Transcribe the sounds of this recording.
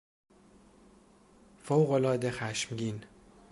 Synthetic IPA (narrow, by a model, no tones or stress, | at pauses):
fowɣolɒːd̪exæʃmɟin